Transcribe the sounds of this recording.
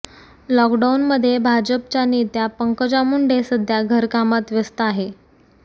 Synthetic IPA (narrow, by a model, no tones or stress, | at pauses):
lɔkɖaunməd̪ʱːjebʱad͡ʑəpt͡ɕjanet̪japəŋkəd͡ʑamuɳɖesəd̪ʱjaɡʱəɾkamat̪ʋjəst̪əaɦe